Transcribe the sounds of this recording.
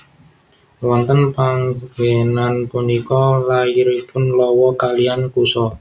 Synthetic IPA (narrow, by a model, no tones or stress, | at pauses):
wɔnt̪ənpaŋɡenanpunikɔlaiɾepʊnlɔwɔkalijankusɔ